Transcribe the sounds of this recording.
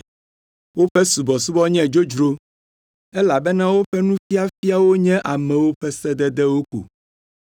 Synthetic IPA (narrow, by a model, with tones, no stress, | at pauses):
wo˦ɸɛ˦su˨bɔ˨su˦bɔ˦ɲɛ̃˦d͡ʒo˦d͡ʒɾo˦ | ɛ˦la˨bɛ˦nã˦wo˦ɸɛ˦nũ˦fi˦a˦fi˦a˦wo˦ɲɛ̃˦ʔa˨mɛ̃˨wo˦ɸɛ˦sɛ˦d̪ɛ˦d̪ɛ˦wo˦kṵ˨